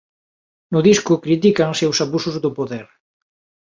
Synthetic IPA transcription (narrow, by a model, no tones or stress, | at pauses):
nʊðiskʊkɾit̪ikaŋsewsaβusʊzðʊpoðeɾ